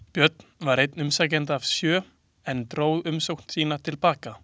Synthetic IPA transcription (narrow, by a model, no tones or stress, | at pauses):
pjœt̪nvaɾejt̪nʏmsaːcɛnt̪̬aːv̥sjœː | ɛnt̪ɾoːwðʏmsowkn̥t̪siːnat̪ʰɪlpaːka